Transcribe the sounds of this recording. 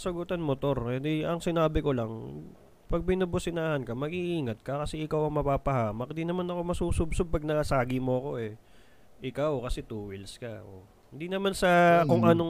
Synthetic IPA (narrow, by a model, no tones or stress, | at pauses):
sɐɡʊt̪anmot̪o̞ɾɛd̪ɛɐŋsɪnaːbɪko̞lɐŋ | pɐɡ̚bɪnɐbʊsɪnaːhɐnkɐmɐɡiʔiːŋɐt̪̚kɐkɐsɛʔɪkawɐŋmɐpaːpɐhaːmɐk̚ɪnd̪inɐmanɐko̞mɐsuːsʊbsob̚pɐɡ̚nɐsaːɡɪmo̞ɐko̞ʔɛ | ʔɪkawkɐsɛt̪uːwɪlskɐʔo̰ | ɪnd̪inɐmansɐkoŋʔɐno